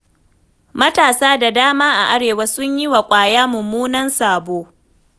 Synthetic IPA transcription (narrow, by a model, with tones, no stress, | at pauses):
mɐ˦taː˨saː˦da˨daː˦maː˦ʔa˨ʔa˦ɽeː˨wɐ˦sʊ˦ɲjɪ˦wa˨kʷʼaː˨jaː˦mʊ˨muː˦nɐ˦nsaː˨boː˦